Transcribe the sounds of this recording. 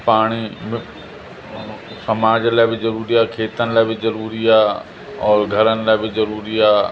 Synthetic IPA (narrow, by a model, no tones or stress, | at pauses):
paːɽ̃im | sɐmaːd͡ʑəlaːɪbɪzɐɾuːɾiaːkʰeːt̪ənɪ̆laːbɪzɐɾuːɾiaː | ɔːɾɡʱɐɾənɪ̆laːɪbɪzɐɾuːɾiaː